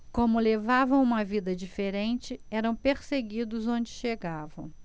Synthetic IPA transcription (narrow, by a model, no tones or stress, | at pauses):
kõmʊlevavɐ̃w̃ũmɐvid̪ɐd͡ʒifeɾẽnt͡ʃɪɛɾɐ̃w̃peɾseɡid̪ʊzõnd͡ʒɪʃeɡavɐ̰̃w̃